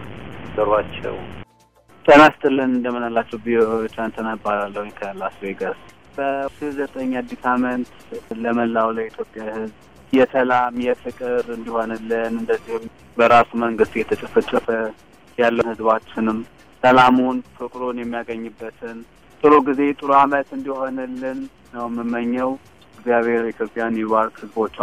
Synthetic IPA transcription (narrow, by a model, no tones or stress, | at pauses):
zəɾwat͡ʃːɛ̰w | t̪ʰʼənast̪ɨlːənɨnd̪əmːɨnalːat͡ʃːɛwbioet͡ʃ̪ːant̪ʰənabalalːəhuɲkʰəlːasweɡəs | b̥əʃizət̪ʼəɲːad̪ikʰamənt̪ | ləməlːawləit̪ʰjo̞pʼːjahɨzb | jɛt̪ʰəlamjɛfɨkʼɨɾɨnd̪iho̞nalːənɨnd̪əzːihɨm | bəɾasuməŋɡɨst̪jɛt̪ʰət͡ʃʼəfət͡ʃʼːəfə | jalːənhɨzbat͡ʃːɪnɨm | səlamunfɨkʼɾonjɛmːijaɡəɲːɨbːət̪ʰɨn | t̪ʼɨɾoɡize̞t̪ʼɨɾamət̪ɨnd̪iho̞nɨlːɨnː | əwmːɨmːəɲːəw | ɛɡzijaβe̞ɾit̪ʰjo̞pʼːjanjɛβalkhɨzbo̞t͡ʃː